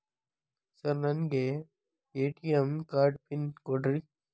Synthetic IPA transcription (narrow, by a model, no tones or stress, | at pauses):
sɐɾnɐnɡe | eːʈiɐmkaːɾɖpɪnkoɖɾi